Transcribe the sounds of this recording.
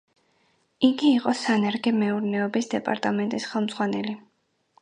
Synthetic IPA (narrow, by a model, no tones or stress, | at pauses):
iɡiːqʼɔsanɛɾɡɛmɛuɾnɛɔbisd̪ɛpʼa̰ɾt̪ʼamɛnt̪ʼisχɛlˠmzʁwanɛli